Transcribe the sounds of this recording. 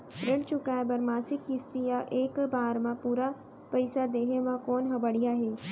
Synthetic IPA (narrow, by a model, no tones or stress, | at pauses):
ɾɪɽt͡ʃʊkaːebɐɾmaːsɪkːɪst̪ijaʔeːkbaːɾmãpuːɾa | pəɪsad̪eːɦemãkoːnɦɐbəɽijaɦeː